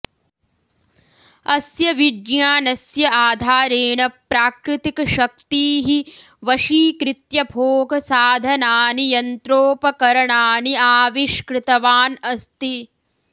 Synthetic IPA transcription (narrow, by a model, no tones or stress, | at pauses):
ɐsjɐʋiɖjaːnɐsjɐaːd̪ʱaːɾeːɳɐpːɾaːkɾɪt̪ikɐʃɐk̚t̪iːɦi | ʋɐʃiːkɾɪt̪jɐbʱoːɡʱɐsaːd̪ʱɐnaːnijɐnt̪ɾoːpɐkɐɾɐɳaːniaːʋiʃkɾɪt̪ɐʋaːnɐst̪i